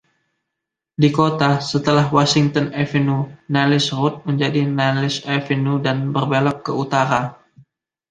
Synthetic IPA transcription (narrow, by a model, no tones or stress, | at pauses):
dikot̪asət̪əlahwasiŋt̪ɔnɛfenunɛlɪsrʊt̪̚məɲd͡ʒadinɛlɪsɛfɛnudanbərbelɔkːəut̪aɾa